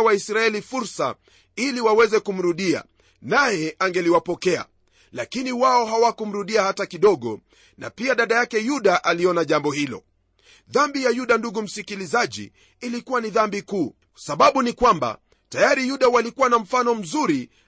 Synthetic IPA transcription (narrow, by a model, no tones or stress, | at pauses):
waisɾaɛlifuɾsa̰ | iliwawɛzɛkum̩ɾuɗia̰ | najɛʔaŋɡɛliwapɔkɛa̰ | lakiniwaɔɦawakum̩ɾuɗiahatakiɗɔɠɔ | na̰piaɗaɗajakɛjuɗaʔaliɔnaʄambɔhilɔ̰ | ðambijajuɗanduɡum̩sikilizaʄḭː | likuwaniðambikuː | saɓaɓunikwamba̰ | tajaɾijuɗawalikuwanam̩fanɔm̩zuɾi